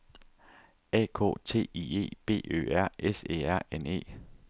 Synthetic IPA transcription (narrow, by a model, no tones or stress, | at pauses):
ɛ̰ːkʰo̝̰ːt͡sʰe̝̰ːie̝̰ːb̥e̝̰ːø̰ːæɐ̰ʔesḛæɐ̰ene̝̰ː